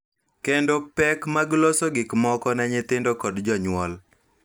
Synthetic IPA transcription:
kendopɛkmaɡlosoɡɪkmɔkɔnɛɲɪt̪ɪndokɔdd͡ʒɔɲwɔl

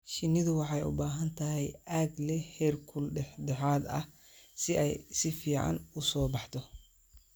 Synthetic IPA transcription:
ʃɪnɪðʊwɑħɑjʊ̰baːɦɐnt̪ʰɐɦɛjaːɡlɛhɛːrkʰʊlɖɛħdɛħaːd̪ɐ̰h | sɪʔɛjsɪfiːʕɑ̰nʊsɔːbɑħt̪ʰɔ

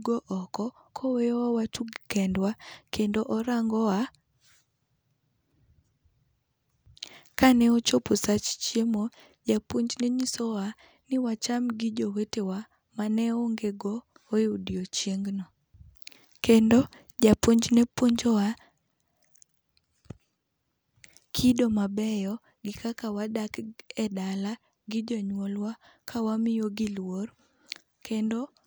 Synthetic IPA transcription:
ɡoʔɔkɔ | kʰɔwewawatuɡkɛndwakendoʔɔɾaŋɡɔwa | kanɛot͡ʃoposat͡ʃt͡ʃjemo | d͡ʒapoɲd͡ʒneɲisɔwa | nɪwat͡ʃamɡid͡ʒowetewa | manɛoŋɡeɡoː | judiot͡ʃjeŋɡnɔ | kendo | d͡ʒapoɲd͡ʒnepwoɲd͡ʒowa | kʰidomabɛjɔ | ɡɪkakawadakɛdala | ɡɪd͡ʒɔɲwɔlwakʰawamɪjoɡɪlwor | kʰendo

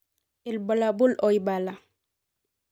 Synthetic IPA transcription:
ilbɔlabulʔɔjbala

